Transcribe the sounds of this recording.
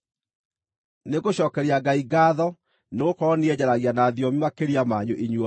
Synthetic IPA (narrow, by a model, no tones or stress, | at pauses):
neɣoɕɔːkɛɾiaɡaiɡaːðɔ | neɣokɔːniɛd͡ʑaɾaɣianaːðiɔmimakeɾiamaɲoʔiɲwɔ